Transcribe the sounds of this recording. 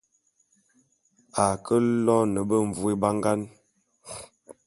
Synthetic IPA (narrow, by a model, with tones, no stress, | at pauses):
a˨kə˦lɔ˦nə˨bə˦ɱ˨vu˦e˦ba˦ŋɡa˦n